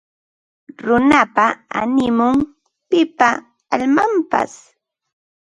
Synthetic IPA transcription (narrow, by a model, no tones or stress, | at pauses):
ɾʊnapaa̰nɪmʊŋ | pɪpa | aʎmampa̰s